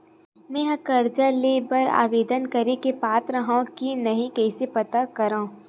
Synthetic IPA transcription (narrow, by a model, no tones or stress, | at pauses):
mɛ̃ːɦɐ̃kɐɾd͡ʒəleːbɐɾa̰ːʋeːd̪ənkɐɾekepaːt̪ɾəɦãkinɐɦĩkɛːsepɐt̪akɐɾãː